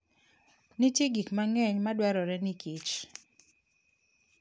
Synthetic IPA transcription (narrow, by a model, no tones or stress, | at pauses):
nɪtjeɡikmaŋɛɲmadwɛɾɔɾɛnɪkit͡ʃ